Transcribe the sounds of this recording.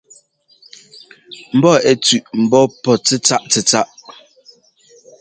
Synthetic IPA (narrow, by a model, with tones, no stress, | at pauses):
m̩˨bɔ˦˨ɛ˨t͡sʉ˨ʔm̩˨bɔ˦pɔ˨t͡sɛ˦t͡sa˦ʔt͡sɛ˨t͡sa˦ʔ